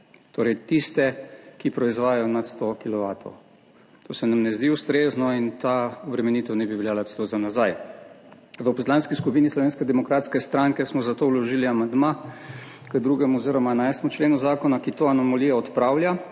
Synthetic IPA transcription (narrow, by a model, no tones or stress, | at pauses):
t̪oːɾɛjt̪ist̪ɛkipɾɔizʋaːjajɔnat̪st̪okilɔʋaːt̪ɔ̰w | t̪oːsɛnamnɛzd̪iust̪ɾeznɔint̪aɔbɾɛmɛniːt̪ɛwnɛbiʋɛljaːlasɛlozamnazaj | ʋəpɔslanskiskupiːnislɔʋeːnskɛd̪ɛmɔkɾaːt̪skɛst̪ɾaŋkɛsmɔzat̪owlɔʒiːliamand̪ma | kəd̪ɾuːɡɛmuɔziɾɔmaɛnajst̪emut͡ʃleːnuzaːkɔnakit̪oːanɔmaliːjaɔt̪pɾaːwlja